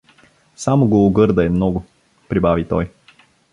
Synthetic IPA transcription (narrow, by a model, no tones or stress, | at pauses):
samoɡoːɡɤɾd̪ɐɛmnɔɡʊ | pɾibavit̪ɔj